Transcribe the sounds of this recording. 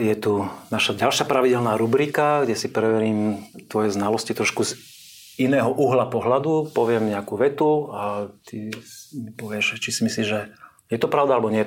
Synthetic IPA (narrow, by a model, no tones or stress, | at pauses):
jɛt̪unaʃaɟalʃɪapɾaʋiɟɛlnaːɾubɾikaɡɟɛsipɾɛʋɛɾiːmt̪ʋɔjɛznalɔscit̪ɾɔʃkuz | inɛːɦɔʔuɦlapɔɦlad̪upɔʋɪɛmɲɛakuʋɛt̪uat̪i | pɔʋɪɛʃt͡ʃisimisliːʒʒɛ | jɛt̪ɔpɾaʊd̪aalɛbɔɲɛɛ